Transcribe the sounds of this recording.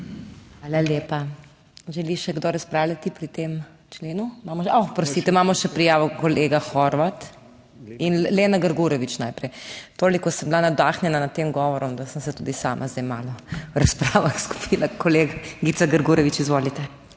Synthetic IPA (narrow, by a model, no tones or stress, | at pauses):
xʋaːlaleːpa | ʒɛliʃɛɡd̪oɾɐspɾaːwljat̪ipɾit̪eːm | t͡ʃleːnumaːmɔaxpɾɔst̪it̪ɛmaːmɔʃɛpɾijaːʋɔkɔleːɡaxɔɾʋat̪ | inleːnaɡəɾɡuɾɔʋit͡ʃnaːjpɾɛjt̪oːlikɔsəmblanad̪aːxnjɛnanat̪eːmɡɔʋɔɾɔmd̪asənsɛt̪ud̪isa̰ːmʔazd̪ɛjmaːlɔwɾɐspɾaːʋaxsku̥pʰilakɔleːɡaɡit̪saɡəɾɡuɾɛʋit͡ʃizʋoːlit̪ɛ